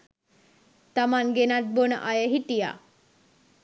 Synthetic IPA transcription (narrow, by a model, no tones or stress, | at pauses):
t̪amanɡenat̪̚bonə̰ʔajəɦiʈ̪ija̰